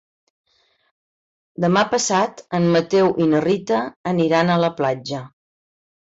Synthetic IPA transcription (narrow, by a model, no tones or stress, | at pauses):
d̪əmapəsat̪əmːət̪ewʔinərit̪əːniɾanələplad͡ʒə